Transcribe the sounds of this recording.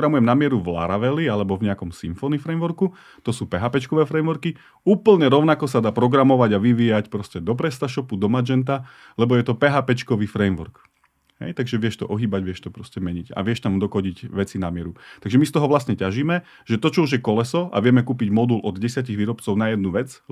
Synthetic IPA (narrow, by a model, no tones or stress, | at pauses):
ɡɾamujɛmnamɪɛɾuvla̰ɾaʋɛlialɛbɔvɲɛakɔmsiɱfɔnifɾɛjmʋɔɾku | t̪ɔsuːpɛɦapɛt͡ʃkɔʋɛːfɾɛjmʋɔɾki | uːpl̩ɲɛɾɔʊnakɔs̬ad̪aːpɾɔɡɾamɔʋaɟaʋiʋiːjacpɾɔscɛd̪ɔp̬ɾɛst̪aʃɔpud̪ɔmad͡ʒɛnt̪a | lɛbɔjɛt̪ɔpɛɦaːpɛt͡ʃkɔʋiːfɾɛjmʋɔ̰ɾk | ɦɛ̰jt̪aɡʒɛʋɪɛʃt̪ɔ̰ʔɔɦiːbaɟʋɪɛʃt̪ɔpɾɔscɛmɛɲiɟa̰ʋɪɛʃt̪amd̪ɔkɔɟiɟʋɛt͡sinamɪɛɾut̪aɡʒɛmist̪ɔɦɔʋlasɲɛcaʒiːmɛ | ʒɛt̪ɔt͡ʃɔuʒjɛkɔlɛsɔa̰ʋɪɛmɛkuːpiɟmɔd̪ulʔɔd̪ɟɛsɪaciɣʋiːɾɔpt͡sɔʊnajɛd̪nuʋɛd͡z